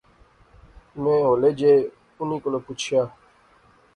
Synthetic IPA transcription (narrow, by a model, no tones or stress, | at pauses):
mẽːɦoːleːd͡ʒeː | ʊniːkolopʊt͡ʃʰjaː